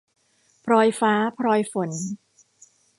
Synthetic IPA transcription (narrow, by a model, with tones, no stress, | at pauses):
pʰɾɔː˧jfaː˦˥pʰɾɔː˧jfo˩˦n